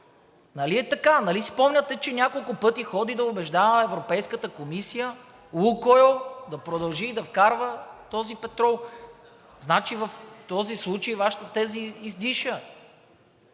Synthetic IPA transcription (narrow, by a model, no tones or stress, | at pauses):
nɐliɛt̪ɐkanɐlisi̥pɔmnʲət̪ɛt͡ʃɛnʲakolˠkʊpɤt̪ixɔd̪id̪ɐobɛʒd̪avəɛvɾopɛjskət̪əkomisijə | lukojod̪ɐpɾod̪ɐlˠʒiːd̪ɐfkaɾvət̪ɔzipɛt̪ɾɔlˠ | znat͡ʃivɐft̪ɔzislˠut͡ʃəjivaʃə̥t̪ət̪ɛziːzd̪iʃə